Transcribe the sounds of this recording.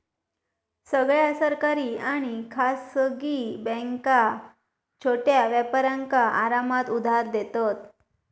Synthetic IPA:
səɡɭjasəɾkaɾiːaɽ̃ikʰasəɡiːbɛ̃ŋka | t͡ɕʰoʈjaʋjapaɾãŋkaʔaɾamat̪ud̪ʱaɾd̪et̪ɔt̪

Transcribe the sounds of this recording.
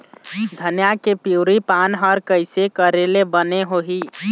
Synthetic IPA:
d̪ʱənjakepiwɾipanɦəɾkəɪsekəɾelebəneɦoɦi

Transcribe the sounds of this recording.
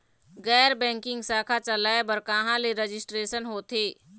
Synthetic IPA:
ɣɛːɾbɛ̃ːŋkɪ̃ŋɡsaːkʰat͡ʃɐlaːebɐɾkãːɦãleɾed͡ʒɪsʈɾeːʃənɦoːt̪ʰeː

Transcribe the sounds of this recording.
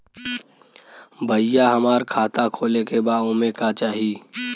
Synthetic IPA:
bʱəjaɦɐmaːɾkʰaːt̪akʰoːlekebaːʊ̃ːmekat͡ʃaːɦiː

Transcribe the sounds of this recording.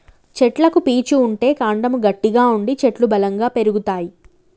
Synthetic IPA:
t͡ʃeʈlɐkupiːt͡ʃuːɳʈe̞ːkaːɳɖɐmuɡɐʈːiɡaːuɳɖit͡ʃe̞ʈlubɐlɐŋɡaːpe̞ɾuɡut̪aːji

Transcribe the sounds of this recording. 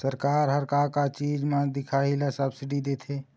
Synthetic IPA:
səɾkaːɾɦəɾkaːɾkat͡ʃiːd͡ʒmãd̪ɪkʰaɦilasəbsɪɖid̪et̪ʰe

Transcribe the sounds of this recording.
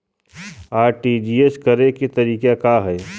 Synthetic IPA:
aːɾʈid͡ʒiːeskɐɾeket̪ɐɾiːkakaɦɛː

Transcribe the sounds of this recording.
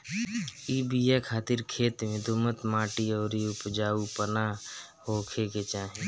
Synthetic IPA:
iːbijekʰaːt̪ɪɾkʰeːt̪mẽd̪omət̪mãːʈiɔːɾiʊpd͡ʒaːupəna | hoːkʰeket͡ʃaːɦẽ

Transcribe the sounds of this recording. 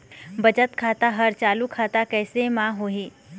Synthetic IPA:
bɐd͡ʒət̪kʰaːt̪aɦɐɾt͡ʃaːlukʰaːt̪akɛːsemãɦoːɦiː

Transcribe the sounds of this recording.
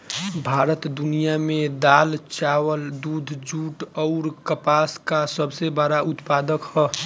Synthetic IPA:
bʱaɾət̪d̪unijamed̪alt͡ʃawəld̪ud̪ʱd͡ʒuʈɔʊɾkəpaskasəbsebəɾaut̪pad̪əkhɔ

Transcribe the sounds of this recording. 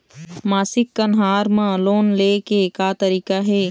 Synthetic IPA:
maːsɪkːɐnɦaːɾmãloːnleːkekaːt̪əɾiːkaɦɛː

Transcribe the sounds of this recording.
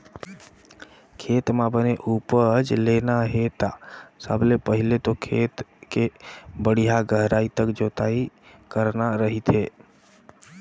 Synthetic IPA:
kʰeːt̪mãbəneʔupəd͡ʒlenaɦet̪asəblepəɦɪlet̪okʰeːt̪kebəɽijaɡəɦɾaːit̪əkd͡ʒoːt̪ai | kəɾnaɾəɦit̪ɦe

